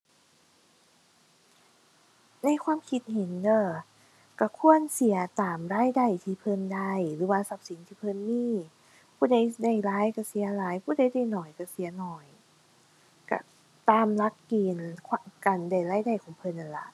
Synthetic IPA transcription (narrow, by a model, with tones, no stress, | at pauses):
na˧˥˨jkʰwaː˧˥˨mkʰi˧˥t̪̚ɦe˨˦ndɤː˧˩ | ka˧˩kʰu˧˥˩ənsi˩˦ɐt̪aː˨˩mɾaː˧˥˨jda˧˩jt̪ʰiː˧˩pʰɤ˧˩nda˧˩jɾɯː˨˦waː˧sa˧˩p̚si˨˦nt̪ʰiː˧˩pʰɤ˧˨nmiː˧˥˨ | pʰuː˧˩da˧˩jda˧˩jlaː˧˦˥jka˧˩si˨˩˦ɐlaː˨˦jpʰuː˧˥˩da˧˥˩jda˧˩jnɔː˨˩jka˧˩si˨˦ɐnɔː˨˩j | ka̰˧˩ | t̪aː˧mla˧˦˥kːiː˧nkʰa˧˩ka˧˩nda˧˩jlaː˧˥˩jda˧˩jkʰɔː˨˦ŋpʰɤ˧˨nʔa˨˩nla̰˧˦ʔ